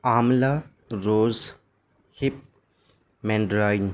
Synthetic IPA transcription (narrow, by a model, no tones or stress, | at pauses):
amla | ɾoz | hip̚ | mɛnɖɾajn